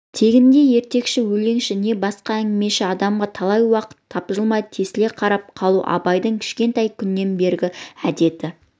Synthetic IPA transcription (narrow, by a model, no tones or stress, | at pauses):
t̪ʰe̞ɡʲɪnd̪e̞je̞ɾt̪e̞kʃɪwɵle̞ŋʃɪne̞bɑsqɑæŋɡʲɪme̞ʃɪɑd̪ɑmʁɑt̪ʰɑlˠɑjwɑqə̥t̪ʰːɑpʒəlˠmɑjd̪ət̪ʰe̞sɪle̞qʰɑɾɑp̚qʰɑlˠuʔɑ̰bɑjd̪əɴkʲʰɪ̥ʃkʲe̞nt̪ɑjkʲʰʏnːe̞nbe̞ɾɡʲɪæd̪e̞t̪ɪ